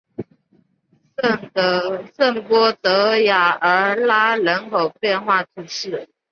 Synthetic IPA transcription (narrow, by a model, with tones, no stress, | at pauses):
sə˥˩ŋt̪ə˧˥sə˥˩ŋpwɔ˥t̪ɤ˧˥ja˨˩ə˞˧˥la˥ɻə˧˥nkʰo˨˩ʊpjɛ˥˧nxwa˥˩t̪ʰu˧˩ʂɻ̩˥˩